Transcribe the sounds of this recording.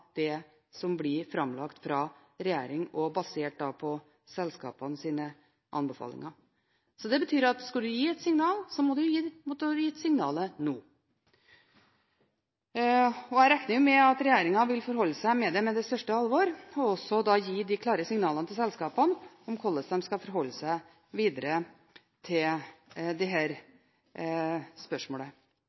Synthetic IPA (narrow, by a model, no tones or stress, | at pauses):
d̪̥ɛ | sɔmblɪɾfɾɑmlɑkt̪fɾɑːɾɛjḛːɾɪŋɔbɑseːʈ̚d̪ɑpʰɔ | sɛlskɑ̰ːpɑnəsiːnə | ʔɑ̰nbəfɑ̰ːlɪ̰ŋɑ | sɔd̪ɛbət̪ʰyːɾɑt̪skɑd̪ʉjiːɛt̪sɪŋnɑːlsɔmɔd̪ʉjiːmʊt̪jiːt̪sɪŋnɑ̰ːlənoː | ɔjæɪɾɛknəɾjʊmɛɑt̪ɾɛjeːɾɪŋɑʋɪlfɔɾɦɔlːəsæɪmɛd̪ɛmɛd̪ɛst̪œʂʈəɑlʋɔɾɔɔsɔd̪ɑjiːd̪ɪkʰlɑːɾəsɪŋnɑːlənət̪ʰɪlsɛlskɑːpən | ɔmkʰɔlːəsɛmskɑfɔɾɦɔlːəsæɪ | ʋiːd̪əɾə | t̪ʰɪld̪ɛɦæːɾ | spœʂmoːlə